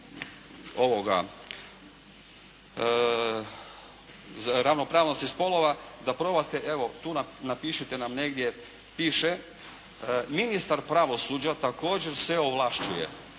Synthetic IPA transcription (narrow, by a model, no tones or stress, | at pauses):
o̞ʋo̞ɡa̰ | ɾaʋno̞pɾaːʋno̞st̪ispo̞lˠo̞ʋad̪apɾo̞bat̪eʔe̞ʋo̞t̪uːnanapiːʃit̪enamne̞ɡd̪je | piːʃe | minist̪aɾpɾaʋo̞suːd͡ʑat̪ako̞ːd͡ʑeɾsʋeoʋlˠaʃt͡ʃujḛ